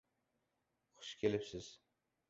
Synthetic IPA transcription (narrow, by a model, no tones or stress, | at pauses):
χʊ̥ʃkʲʰelɪpsɪz̥